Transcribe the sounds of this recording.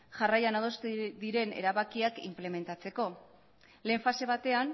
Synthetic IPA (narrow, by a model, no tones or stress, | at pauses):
ʝarajanað̞o̞st̪ðiɾe̞ne̞̰ɾaβakiakḭmple̞me̞nt̪at͡se̞ko̞ | le̞ːɱfase̞β̞at̪e̞an